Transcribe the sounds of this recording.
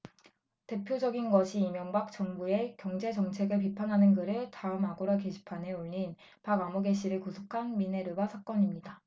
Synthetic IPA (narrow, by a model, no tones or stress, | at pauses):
te̞pʰjod͡ʑʌɡinɡʌɕʰiːmjʌŋbak̚t͡ɕ͈ʌŋbue̞kjʌŋd͡ʑe̞d͡ʑʌŋt͡ɕʰe̞ɡɯɭp̬ipʰanɦanɯnɡɯɾɯɭtaɯmaɡoɾake̞ɕʰi̥pʰanɦe̞oʎːin | paɡamoɡe̞ɕ͈ʰiɾɯɭkosʰukʰanmine̞ɾɯwasʰak͈ʌɲimɲida